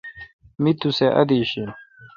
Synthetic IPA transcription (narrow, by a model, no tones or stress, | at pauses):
mit̪useʔɐ̰d̪iːɕi